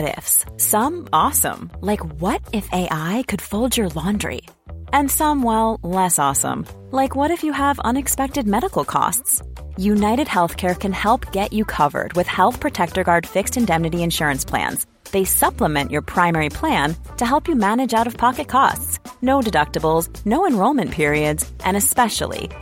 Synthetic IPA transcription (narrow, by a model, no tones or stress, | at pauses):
ɾɪ̰fssʌ̃mɔsə̰̃mlaɪkwʌɾɪfeɪʔaɪkʰɨd̥foʊlˠd͡ʒə˞lɑ̃ndɹḭ | ɨ̃nsʌ̃mwɛlˠlɛsɔsə̰̃mlaɪkwʌɾɨfjɨəvʌ̰̃nɨkspɛk̚tɨd̚mɛɾəkl̩ˠkʰɔ̰stsjʉnaɪɾɨd̚hɛlˠθkʰɛɹkʰɨ̃nhɛlˠpɡ̥ɛt͡ʃɨkʰʌvə̰˞d̚wɨð̥hɛlˠθpʰɹ̥ɨtʰɛk̚tə˞ɡɑɹd̥fɪkstɨ̃ndɛ̃mnɨɾiɨ̃nʃʊɹɨ̃nspʰl̥æ̰̃nz | ðeɪsʌpləmɛ̃nʔjə˞pʰɹ̥ãɪ̃mɛɹipʰl̥æ̃ntʰɨɦɛlˠpjɨmænɨd͡ʒaʊɾʌv̥pʰɑkɨt̚kʰɔ̰stsnoʊdɨdʌk̚təbl̩ˠz | noʊɨ̃nɹoʊlˠmɨ̃npʰɪɹiɨdzʔɨ̃ñɨspɛʃl̩ˠḭ